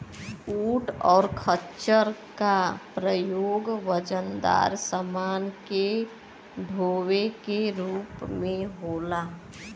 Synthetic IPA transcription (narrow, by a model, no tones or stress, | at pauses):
uːʈɔ̰ːɾkʰət͡ʃəɾkapɾəjoːɡʋəd͡ʒənd̪a̰ːɾsəmaːnke | ɖʱoːwekeɾuːpmẽɦoːlaː